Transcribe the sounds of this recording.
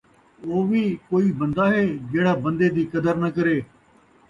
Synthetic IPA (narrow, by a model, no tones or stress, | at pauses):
oːʋiːkoːiːbə̃nd̪aːɦeːd͡ʒeːɽaːbə̃nd̪eːd̪iːkəd̪əɾnəkəɾeː